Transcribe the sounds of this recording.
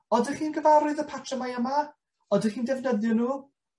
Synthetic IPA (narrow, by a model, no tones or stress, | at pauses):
ɔdəχiːnɡəvaɾʊðəpʰatʰrəmajəma | ɔdəχiːndɛvnəðjɔnuː